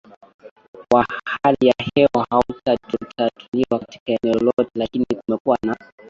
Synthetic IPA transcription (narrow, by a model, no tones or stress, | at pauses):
wahhalijahɛwɔhautatutatʰuliwakati̥kaɛnɛɔlɔtɛlakinikumɛkuwana